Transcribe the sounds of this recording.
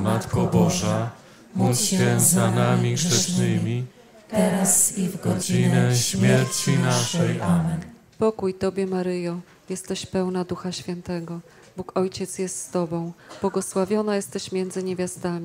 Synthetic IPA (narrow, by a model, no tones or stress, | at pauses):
mat̪kɔbɔʐa | mufʲjɛnzanamʲiʂɛʂnɘmʲi | t̪ɛɾɡɡɔd͡ʑinɛɕmʲjɛɾt͡ɕinaʂɛjamɛn | pɔkujt̪ɔbʲjɛmaɾɘjɔ̃ | jɛst̪ɛɕpɛwnad̪uxaɕfʲɛnt̪ɛɡɔ | bukɔjt͡ɕɛt̪sjɛst̪st̪ɔbɔ̃w̃b̥wɔɡɔswavʲjɔnajɛst̪ɛɕmʲjɛnd̪zɘɲevʲjast̪amʲi